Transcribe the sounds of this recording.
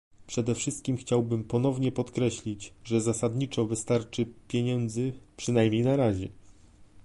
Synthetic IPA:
pʂɛd̪ɛfʂɘst̪̚kʲimxt͡ɕawbɘmpɔn̪ɔvɲɛpɔt̪kɾɛɕlʲid͡ʑʐɛzasad̪ɲit͡ʂɔvɘst̪aɾt͡ʂɘpʲjeɲɛnd̪zɘpʂɘnajmʲɲejnaɾaʑɛ

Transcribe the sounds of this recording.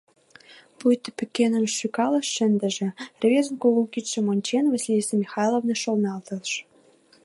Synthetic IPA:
pujt̪ə̥̆pɘ̆kenə̆mʃʃykɑlɤ̆ʃːɘ̆nd̪ɘ̆ʒĕrvʲezənkolukʲiʃĕmonʲt͡ɕenvɑsʲilʲisemʲixɑjlˠovnɤʃolnɑlt̪ɤ̆lʃ

